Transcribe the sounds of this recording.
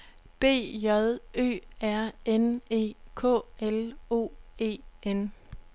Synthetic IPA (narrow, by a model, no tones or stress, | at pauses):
b̥e̝̰ːjɒðˠø̰ːæɐ̰ene̝̰ːkʰɔ̰ːelo̝̰ːe̝̰ːen